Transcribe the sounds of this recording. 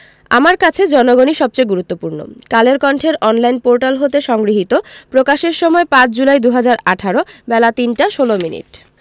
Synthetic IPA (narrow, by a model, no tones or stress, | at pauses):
a̰maɾkat͡ɕʰed͡ʑɔnoɡoniʃɔb̚t͡ɕojɡuɾut̪ːopuɾno̰kaleɾkɔɳʈʰeɾʔɔnlajnpoɾʈalɦot̪eʃɔŋɡɾiɦit̪opɾokaʃeɾʃɔmɔepãt͡ɕʰd͡ʑulajd̪uɦad͡ʑaɾaʈʰaɾobɛlat̪inʈaʃolominḭʈ